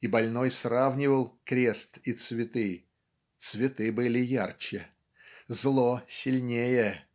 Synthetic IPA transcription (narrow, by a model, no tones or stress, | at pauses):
ibɐlʲno̞jsravnʲɪvəlˠkɾʲe̞st̪it̪svʲɪt̪ɨ | t̪svʲɪt̪ɨbɨlʲɪjart͡ɕɪ | zlˠosʲɪlʲnʲejə